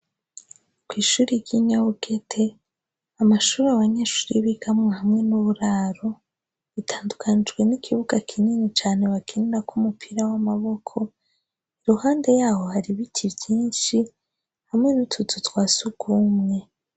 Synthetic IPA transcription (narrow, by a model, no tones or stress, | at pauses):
kwiːʃuːɾiɟiɲaβuke̞tʰe̞ | amaʃuːɾaβaɲe̞ːʃuːɾiβiɡamŋehamŋe̞nuβuɾaːɾo̞ | βitʰaːndukʰanid͡ʒɡwe̞nikʰiβuɡakʰininit͡ʃaːne̞βakʰendakumupʰiɾawamaβo̞kʰo̞ | iɾuhaːnde̞jaːho̞haɾiβitʰivjiːnʃi | hamŋe̞nutʰutʰutwaːsuɡumŋe̞